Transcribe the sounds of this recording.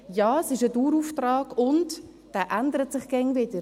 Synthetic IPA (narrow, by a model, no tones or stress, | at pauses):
jɑːəsɪʃəduːɾuːftrɑːɡ̥ʊnt | d̥æːʔændəɾətsɪχɡ̥ɛŋvɪd̥əɾ